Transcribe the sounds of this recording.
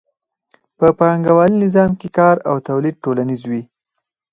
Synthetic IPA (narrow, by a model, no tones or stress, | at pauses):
pəpaaŋɡawɑlinɪzɑmkekɑɾawt̪awlid̪̚ʈolanizwi